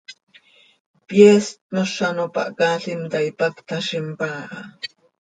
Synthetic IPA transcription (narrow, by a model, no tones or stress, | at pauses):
pjest̪̚noʃanopa̰ʔkaːɬimt̪aipakt̪ʰaʃimpaːʔa